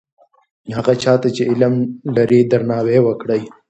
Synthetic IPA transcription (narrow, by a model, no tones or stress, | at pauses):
haɣat͡ʃɑːt̪at͡ʃeɪlamlaɾid̪aɾnɑːwewəkɽəj